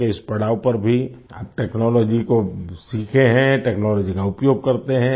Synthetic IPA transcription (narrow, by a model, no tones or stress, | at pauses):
keɪspɐɽ̤aːwpɐɾbʱia̰ːp̚ʈɛːknɔːlɔːd͡ʒikosiːkʰeɦɛ̃ʈɛːknɔːlɔːd͡ʒikaʊpjoːɡ̚kɐɾt̪eɦɛ̃